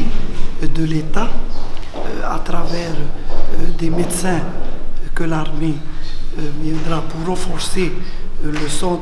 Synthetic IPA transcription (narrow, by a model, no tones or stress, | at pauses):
d̪əlet̪a | a̰t̪ʁavɛʁ | d̪emed̪sɛ̃ | kəlaʁme | vjɛ̃d̪ʁapuʁrɑ̃fɔʁseləsɑ̃